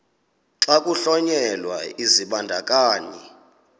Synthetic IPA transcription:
ǁakʼuɬɔɲɛlwa̰iziɓandʱakʼaːni

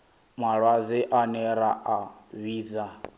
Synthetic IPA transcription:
maɺwazɛʔanɛɾaʔaβiːza

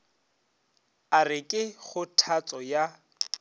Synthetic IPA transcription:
arɪkʼɪχʊtʰat͡sʼɔja

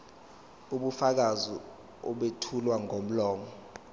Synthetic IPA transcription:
uɓufak̬azi | ɔɓetʰulwaŋom̩lɔːmɔ

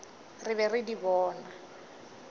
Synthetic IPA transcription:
rɪβɛrɪdibɔːna

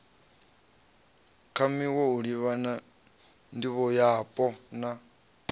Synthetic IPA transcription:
kʰamiwɔuɺiβana | ndiβɔjapʼɔna

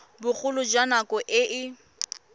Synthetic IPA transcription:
bʊk͡xʰʊlʊd͡ʒanakɔʔɪʔɪ

